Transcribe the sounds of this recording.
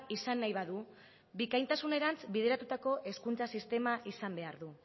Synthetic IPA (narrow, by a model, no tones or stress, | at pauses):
isanːajβ̞aðu | bikajnt̪asune̞ɾant͡sbiðe̞ɾat̪ut̪ako̞ʔe̞skunt͡sasist̪e̞maʔisambe̞aɾðu